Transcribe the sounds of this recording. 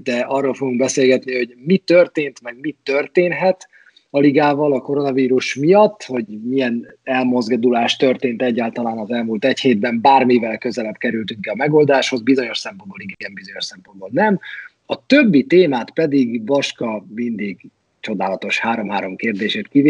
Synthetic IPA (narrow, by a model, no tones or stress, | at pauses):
d̪ɛʔɒrːoːlfo̞ɡuŋɡbɛseːlɡɛt̪niho̞ɟmit̪ːørt̪eːnt̪mɛɡmit̪ːørt̪eːnɦɛt̪ | ɒliɡaːvɒlɒko̞ɾo̞nɒviːɾuʃmijɒt̪ːho̞ɟmijɛn | ɛlmo̞zɡd̪ulaːʃt̪ø̞rt̪eːnt̪ɛɟːaːlt̪ɒlaːnɒzɛlmult̪ɛcheːd̪̚bɛmbaːrmivɛlkø̞zɛlɛbkɛɾylt̪yŋkɛɒmɛɡo̞ld̪aːʃho̞zbizo̞ɲo̞ʃsɛmpo̞nboliɡɡɛmbizo̞ɲo̞ʃsɛmpo̞nboːlnɛm | ɒt̪øbːit̪eːmaːt̪pɛd̪iɡvɒʃkɒmind̪iɡ | t͡ʃo̞d̪aːlɒt̪o̞ʃhaːɾo̞mɦaːɾo̞mkeːrd̪eːʃeːt̪kiv